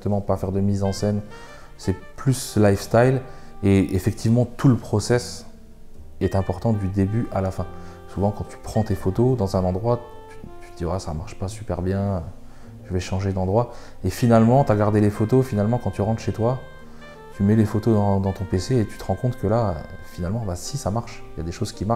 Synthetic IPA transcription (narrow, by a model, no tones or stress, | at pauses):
t̪əmɑ̃pafɛʁd̪əmizɑ̃sɛn | sɛplyslajfst̪ajl | eefɛk̚t̪ʰivmɑ̃t̪uləpχɔsɛs | ɛt̪ɛ̃pɔʁt̪ɑ̃d̪yd̪ebyalafɛ̃suvɑ̃kɑ̃t̪ʰy̥pχɑ̃t̪efot̪od̪ɑ̃zɛ̃nɑ̃d̪ʁwa | y̥t̪ʰy̥t̪əd̪iasamaʁʃpasypɛʁbjɛ̃ø | ʒ̥əvɛʃɑ̃ʒed̪ɑ̃d̪ʁwa | efinalmɑ̃t̪yaɡaʁd̪elefot̪ofinalmɑ̃kɑ̃t̪yʁɑ̃t̪χʃet̪wa | t̪ymɛlefot̪od̪ɑ̃d̪ɑ̃t̪ɔ̃peseːt̪y̥t̪əʁɑ̃kɔ̃t̪kəlaø̰finalmɑ̃basisamaʁʃjad̪eʃozkʲimaʁʃ